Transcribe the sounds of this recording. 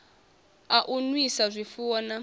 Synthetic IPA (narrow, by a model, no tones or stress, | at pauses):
aʔunwisazʷifuːna